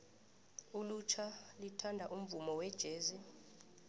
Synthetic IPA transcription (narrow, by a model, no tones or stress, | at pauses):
ulut͡ʃʰalitʰandʱaʔum̩vumɔwɛd̥ʒ̥ʱeːzi